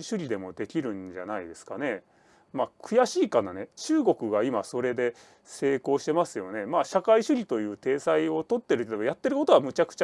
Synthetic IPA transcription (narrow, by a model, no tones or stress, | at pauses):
ɕɨɾʲid̪e̞mo̞d̪e̞kʲiɾɯ̟̃ɲd͡ʑa̰naid̪e̞sɨ̥kane̞ | maːkʰɯ̟jaɕiːkanane̞t͡ɕɨːɡo̞kɯ̟ɡaimaso̞ɾe̞d̪e̞ | se̞ːko̞ːɕi̥t̪e̞masɨjo̞ne̞maːɕakaiɕɨɾʲit̪o̞jɯ̟ːt̪e̞ːsaio̞t̪o̞t̪ːe̞ɾɯ̟t̪ːajat̪ːe̞ɾɯ̟ko̞t̪o̞βamɯ̟t͡ɕakɯ̟̥t͡ɕa